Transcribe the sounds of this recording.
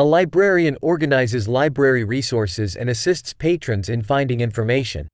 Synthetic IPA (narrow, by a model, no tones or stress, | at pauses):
əlaɪbɹɛɹiɨ̃nɔɹɡɨnaɪzɨzlaɪbɹɛɹiɹisɔɹsɪzɨ̰̃nɨsɪstspʰeɪtɹ̥ɨ̃nzɨ̃nfãɪ̃ndɪ̃ŋɪ̃ɱfə˞meɪʃɨ̰̃n